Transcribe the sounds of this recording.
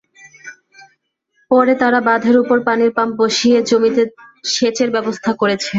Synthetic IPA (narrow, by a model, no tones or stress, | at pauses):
pɔɾet̪aɾabad̪ʱeɾupoɾpaniɾpamp̚boʃied͡ʑomit̪eʃet͡ɕeɾbɛbost̪ʰakoɾet͡ɕʰe